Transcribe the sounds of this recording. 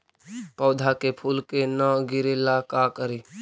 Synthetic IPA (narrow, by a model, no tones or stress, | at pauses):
pɔːd̪ʱakepʰuːlkenəɡɪɾelakakəɾi